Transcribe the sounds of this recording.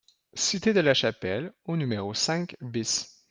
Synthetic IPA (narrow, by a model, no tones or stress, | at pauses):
sit̪ed̪əlaʃapɛlonymeʁosɛ̃kbis